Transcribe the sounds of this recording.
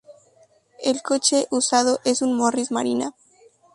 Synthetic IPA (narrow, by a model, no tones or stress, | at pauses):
elko̞t͡ʃe̞ʔusað̞o̞ʔe̞sunmorizma̰ɾina